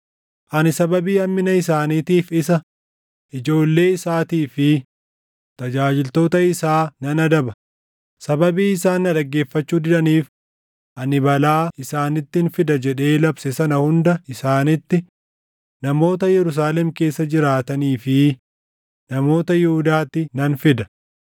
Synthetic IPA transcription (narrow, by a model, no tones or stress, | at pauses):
ʔɐnɪsɐbɐbiːɐmːɪnɐɪs̬aːniːt̪iːfɪsɐ | ʔɪd͡ʒo̞ːlːe̞ːɪsaːt̪iːfɪ | t̪ɐd͡ʒaːd͡ʒɪlt̪o̞ːt̪ɐɪsaːnɐnɐd̪ɐbɐ | sɐbɐbiːɪsaːnːɐᶑɐɡːe̞ːfːɐt͡ʃːuːd̪ɪᶑɐniːf | ʔɐnɪbɐlaːɪsaːnɪt̪ːɪnfɪd̪ɐd͡ʒɛᶑe̞ːlɐbsɛsɐnɐhʊnd̪ɐɪsaːnɪt̪ːɪ | nɐmo̞ːt̪ɐjɛɾʊs̬aːlɛmke̞ːsːɐd͡ʒɪɾaːt̪ɐniːfɪ | nɐmo̞ːt̪ɐjɛhʊd̪aːt̪ːɪnɐnfɪd̪ɐ̥